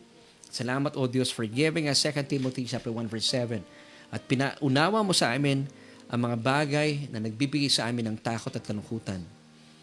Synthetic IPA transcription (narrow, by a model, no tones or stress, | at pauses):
sɐlaːmɐt̪ʔod̪josfɔɹɡɪvɪŋɐsːɛkɐ̃nt̪imot̪it͡ʃap̚t̪ɛɹwãnvɛɹsɛvɛn | ʔɐt̪̚pɪnaʔʊnaːwɐmo̞sɐʔaːmɪn | ʔɐ̰ŋmɐŋabaːɡɐjnɐnɐɡ̚bibɪɡajsɐʔaːmɪnɐŋt̪aːko̞t̪ɐt̪kɐlʊŋkuːt̪ɐn